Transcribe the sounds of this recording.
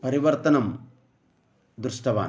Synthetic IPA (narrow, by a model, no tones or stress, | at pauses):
pɐɾiʋɐɾt̪ɐnɐm | d̪ɾuʂʈɐʋa̰ː